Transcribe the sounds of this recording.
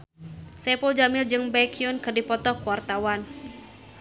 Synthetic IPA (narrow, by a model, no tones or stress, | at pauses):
sɛpɔld͡ʒamɪld͡ʒɨŋbɛkʰiunkɨrdipɔt̪ɔkuwart̪awan